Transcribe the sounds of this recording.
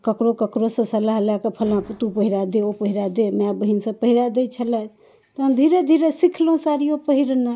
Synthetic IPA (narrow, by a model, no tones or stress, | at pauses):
kəkɾokəkɾosə̃səlaɦlakəpʰəlãput̪upəɦiɾad̪eopəɦiɾad̪emabəɦinsə̃pəɦiɾad̪et͡ʃʰəlɛt̪ | t̪ɔɦəmd̪ʱiɾed̪ʱiɾesikʰlõsaɾijopəɦiɾna